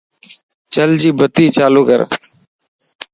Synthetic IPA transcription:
t͡ʃəld͡ʒiːbət̪iːt͡ʃaːluːkə̰ɾ

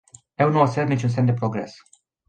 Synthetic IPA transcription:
e̞wnuosernit͡ʃuns̬emd̪e̞pɾo̞ɡɾe̞s

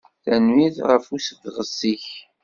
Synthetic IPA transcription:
θænwiðʁəfusðʁəsːiç

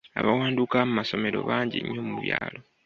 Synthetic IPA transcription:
aβawaːndukamumaso̞me̞ɾo̞̰βaːɲɟḭɲːoːmuβjaːlo̞

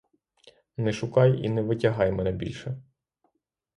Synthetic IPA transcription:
nɛʃʊkɑjḭnɛʋɪtʲɐɦɑjmɛnɛbʲḭlʲʃɛ

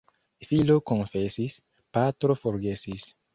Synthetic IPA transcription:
filokõnfesis | pat̪ɾofoɾɡesis

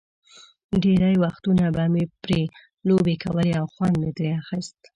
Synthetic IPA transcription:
ɖeɾajwaxt̪unabɑmepɾe | lobekʰawəleawxwand̪met̪ɾeaxist̪

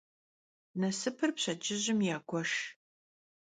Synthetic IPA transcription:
nɐsɨpʰɨrpɕɐd͡ʒɪʑɪmjaːɡʷʰɔʂ

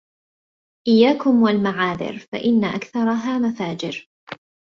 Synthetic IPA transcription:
ʔɪjːaːkʊmwalmaʕaːðɪ̰ɾfa̰ʔɪnːaʔakθɑɾˤɑɦaːmafaːd͡ʒɪɾ

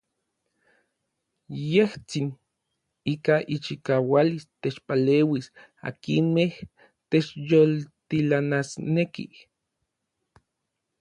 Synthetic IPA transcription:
jeht͡sin | ikaʔit͡ʃikawalist̪et͡ʃpaleːwis | a̰kinmeh | t̪et͡ʃjolt̪ilanasnekḭ

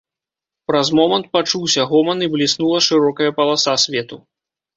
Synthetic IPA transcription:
pɾɐzmɔmɐnt̪̚pat͡ʂuwsʲɐɣɔmɐniblʲisnulˠɐʂɨɾɔkɐjɐpɐlˠasasʲvʲɛt̪u

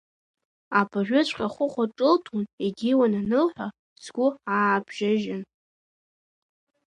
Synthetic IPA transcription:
apʰʼaʒʷᶣʊt͡ɕʷʰʼqʲʼaχʷʊχʷaʈ͡ʂʼɨltʰuneɡʲiwananɨlħʷᶣa | t͡sʰɡʷʊaːbʒaʒɪn

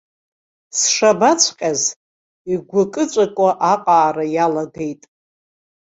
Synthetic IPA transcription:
sʂabat͡ɕʷʰqʲʼaz | iɡʷakʼɨt͡ɕʷʼakʷʼaʔaqʼaːrajalaɡe̞jtʼ

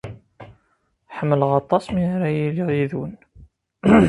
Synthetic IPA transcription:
ħəmːələʁɑt̪ˤːɑsmiɾæjiliʁiðun

